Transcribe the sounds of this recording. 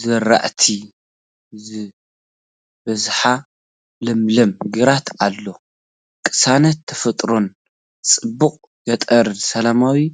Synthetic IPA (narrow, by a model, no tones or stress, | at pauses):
zɨɾa̰ʔt̪ʰi | zɨ | bɐzħa | lɨmlɐmɡɨɾat̪alːo̞ | kʼɨ̥sanɐt̪ʰːɐfɐt̪ʼɾon | t͡sʼɨbːuqʼ | jɐt̪ʼɐɾd̪sɐlamawi